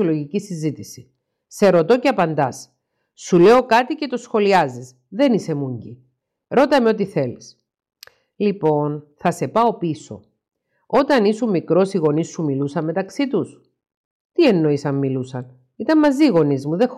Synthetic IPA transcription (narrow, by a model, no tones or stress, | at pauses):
oloʝicisizit̪isi | se̞ɾo̞t̪o̞ceɐpɐnd̪ɐs | sule̞o̞kɐt̪ice̞t̪o̞sxo̞liɐzis | ðe̞nise̞muɲɟi | ɾo̞t̪ɐmeo̞t̪iθe̞lis | lipo̞nθɐse̞pɐo̞piso̞̰ | o̞t̪ɐnisumikɾo̞siɣo̞nisːumilusɐmme̞t̪ɐksit̪us | t̪ie̞nːo̞isɐmːilusɐn | it̪ɐmmɐziɣo̞nizmuðex